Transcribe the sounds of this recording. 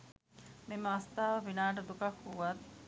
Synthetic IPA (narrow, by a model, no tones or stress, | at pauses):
miməast̪aːʋɐfinaːʈ̬əd̪ukɐkhuʋɐt̪̚